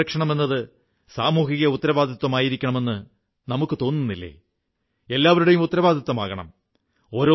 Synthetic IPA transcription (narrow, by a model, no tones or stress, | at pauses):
ɐkʂɐɳɐme̞nːɐðɨ | saːmuːɦiɣɐut̪ːɐɾɐbaːd̪ʱɐt̪wɐmaːjiɾikʲːɐɳɐme̞nːɨ | nɐmukːɨt̪o̞ːnːunːilːḛː | e̞lːaːʋɐɾuɽe̞jumut̪ːɐɾɐbaːd̪ʱɐt̪wɐmaːɣɐɳɐ̰m | o̞ːɾo